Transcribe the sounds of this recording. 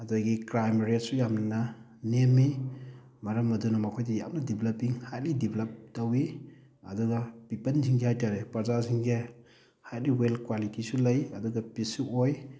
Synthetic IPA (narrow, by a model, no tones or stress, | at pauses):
ɐdaɡikɾajmɾet̚sujamnɐnɐ | nemːi | mɐɾɐmɐdunɐmɐkʰojdija̰mnɐdiblɐpiŋhajt̚lidibʰlɐp̚tɐwi | ɐ̰duɡɐpipɐntʰiŋɡihajtaɾepɐɾzasiŋɡe | hajt̚liwelkwalitisulɐjɐduɡɐpisuoj